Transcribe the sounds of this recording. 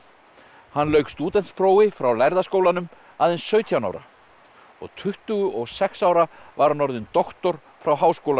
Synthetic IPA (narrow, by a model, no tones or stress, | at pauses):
hanːlœɥkst̪uːt̪ɛnt̪spɾoːwɪfɾawlajɾðaskoːwlanʏm | aːðɛnsːœːɥt̪ʰiawna̰wɾa̰ | ɔ̰ɣt̪ʰʏht̪ʏɣʏʔɔɣsɛksawɾavaɾnɔɾðɪnt̪ɔxt̪ɔɾ̥ | fɾawɦaːwskowla